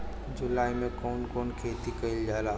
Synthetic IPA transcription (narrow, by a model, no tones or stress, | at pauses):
d͡ʒʊlaːimẽkɔːnkɔːnkʰeːt̪ikɐɪld͡ʒaːlaː